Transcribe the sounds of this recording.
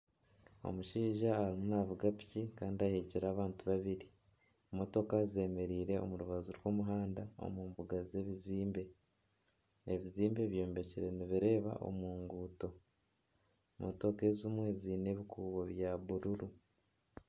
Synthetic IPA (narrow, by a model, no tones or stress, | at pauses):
o̰muʃiːʒaaɾimunavuɡapi̥cikaːndiahiciɾaːβaːntuβaβiɾi | mo̞to̞kaze̞ːme̞ɾiːɾe̞o̞̰muɾuβazuɾwomuɦaːndao̞̰muːmbuɡaze̞βiziːmbe̞ | eβiziːmbe̞βjo̞ːmbe̞ciɾe̞niβiɾe̞ːβa̰ʔo̰muːŋɡuːto̞ | mʔo̰to̞ke̞zimwe̞ziːne̞βikʰuːβo̞βjaβuɾuɾu